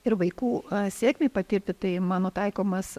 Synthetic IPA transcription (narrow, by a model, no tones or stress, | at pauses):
ɪɾʋɐɪkuːsʲeːkʲmʲeɪpɐt̪ʲɪrʲt̪ʲɪt̪ɐɪmɑːnoːt̪ɐɪkoːmɐs